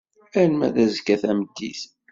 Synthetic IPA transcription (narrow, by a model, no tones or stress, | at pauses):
æɾnmæðæzəkːæθæməd̪ːḭθ